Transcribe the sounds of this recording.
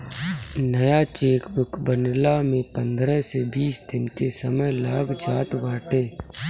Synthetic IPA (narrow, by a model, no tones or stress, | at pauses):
nəjat͡ʃeːkbʊkbənlamẽpə̃nd̪ɾəsebiːsd̪ɪnkesəməjlaːɡd͡ʒaːt̪baːʈeː